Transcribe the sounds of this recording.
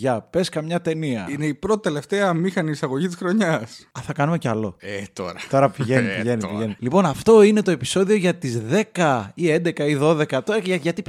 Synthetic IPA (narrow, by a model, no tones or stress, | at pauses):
ʝɐpe̞skɐmɲɐt̪e̞niɐ̰ine̞ipɾo̞t̪it̪ele̞ft̪eɐmixɐniːsɐɣo̞ʝit̪i̥sxɾo̞ɲɐsɐθɐkɐnume̞cɐlo̞̰et̪o̰ɾɐt̪o̞ɾɐpiʝenipiʝe̞nipiʝe̞nilipo̞nɐft̪o̞ine̞t̪o̞e̞pi̥so̞ðio̞ʝɐt̪izðe̞kɐie̞nd̪e̞kɐiðo̞ðe̞kɐt̪oɐʝɐʝɐt̪i